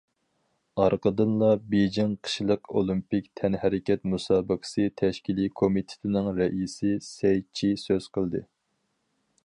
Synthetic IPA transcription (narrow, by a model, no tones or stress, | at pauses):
ɑɾqəd̪ɨnlˠɑbed͡ʒɪŋqʰə̥ʃlˠəqolˠimpikʲt̪ʰɛnhæɾɪkʲɛt̪musɑːbəqʰə̥sɨt̪ʰɛʃkʲilikʰomit̪ʰɪ̥t̪ʰɪnɪŋɾɛʔisɪsɛjt͡ʃʰisøz̥qʰəlˠd̪ɨ